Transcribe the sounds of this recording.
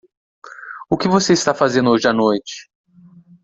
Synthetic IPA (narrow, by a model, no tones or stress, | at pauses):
ʊkɪvoseist̪afazẽnd̪ʊoʒɪanojt͡ʃɪ̥